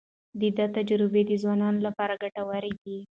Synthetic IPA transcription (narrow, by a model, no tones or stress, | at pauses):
d̪əd̪at̪ad͡ʒɾɪbed̪əzwɑnɑnolapɑɾaɡaʈawaɾed̪i